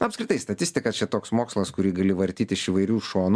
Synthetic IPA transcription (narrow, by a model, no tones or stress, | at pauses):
ʊɐpskɾʲɪt̪ɐɪst̪ɐt̪ʲɪsʲt̪ʲɪkɐt͡ʃʲɛt̪oːksmoːkslˠɐskʊɾʲiːɡɐlʲɪʋɐɾʲt̪ʲiːt̪ʲɪʃiʋɐɪɾʲuːʃoːn